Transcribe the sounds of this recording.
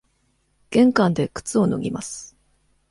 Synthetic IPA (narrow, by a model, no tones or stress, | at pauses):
ɡ̥ẽ̞ŋkãnd̪e̞kɯ̟̥t͡sɨo̞no̰ɡʲḭma̰sɨ̥